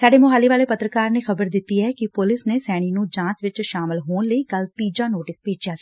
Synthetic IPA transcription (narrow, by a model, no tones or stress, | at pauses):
saːɖeːmʊɦaːliːʋaːleːpət̪ɾəkaːɾneːxəbəɾd̪ɪt̪ːiːɦɛːkɪpʊlɪsneːsɛːɽ̃iːnũːd͡ʒãːt͡ʃʋɪt͡ʃʃaːmɪlɦoːnləiːkəlt̪iːd͡ʒaːnoːʈɪspeːd͡ʒjaːi̥